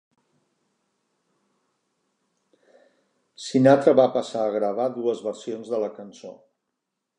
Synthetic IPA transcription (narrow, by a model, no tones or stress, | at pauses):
sinat̪ɾəβapəsaəɣɾəβ̞aðuəzβəɾsionzðələkənso̰